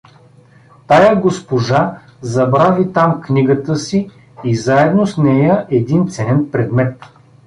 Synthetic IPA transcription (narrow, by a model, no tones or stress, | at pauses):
t̪ajəɡospoʒa | zɐbɾavit̪amknʲiɡət̪əsi | izaɛd̪nosnɛjəʔɛd̪int̪sɛnɛnpɾɛd̪mɛt̪